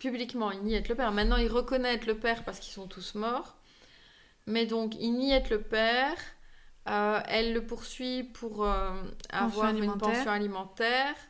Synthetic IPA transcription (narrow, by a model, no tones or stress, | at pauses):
pyblikmɑ̃ilniɛt̪ləpɛʁmɛ̃t̪nɑ̃ilʁəkɔnɛɛt̪ləpɛːʁpaʁsəkilsɔ̃t̪ʰusmɔːʁ | mɛd̪ɔ̃kilniɛt̪ləpɛːʁ | øɛlːəpuʁsɥipʰuʁøavwaʁynpɑ̃sjɔ̃alimɑ̃t̪ɛːʁ